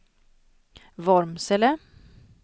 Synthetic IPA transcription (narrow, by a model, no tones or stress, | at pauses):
vɔɾmsɛlə